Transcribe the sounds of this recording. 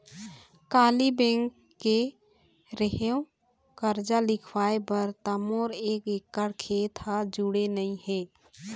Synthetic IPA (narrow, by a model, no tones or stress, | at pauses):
kaːlibɛ̃ŋkː | e | ɾəɦeõ | kəɾd͡ʒalɪkʰwaepəɾt̪əmoːɾekekːəɽkʰet̪ad͡ʒuɽenəĩhe